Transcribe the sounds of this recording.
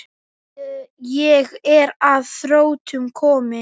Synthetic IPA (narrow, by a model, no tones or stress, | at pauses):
jɛɣɛɾaðθɾoːwt̪ʏmkʰɔːmɪ